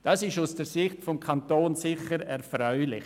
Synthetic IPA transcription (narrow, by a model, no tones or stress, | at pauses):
d̥ɑːsɪʃusd̥əsɪxtfɔmkʰantoːnsɪxəɾɛɾfɾœʏlɪç